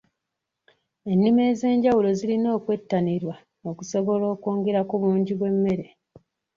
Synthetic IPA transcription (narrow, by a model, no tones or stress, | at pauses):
e̞nːime̞ːze̞ːɲɟawulo̞zilino̞ːkwe̞tːaniɾwa | okuso̞βo̞lo̞ːkoːŋɡe̞ɾakuβuːɲɟiβwe̞mːe̞ɾe̞